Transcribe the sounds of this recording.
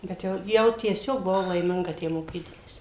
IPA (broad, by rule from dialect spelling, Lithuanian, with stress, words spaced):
bʲɛt ˈjɛʊ jɛʊ tʲiɛˈsʲoːk bʊˈʋɐʊ lˠɐɪˈmʲɪŋɡɐ ˈtʲæː moːˈkʲiːdɐmɐsʲɪ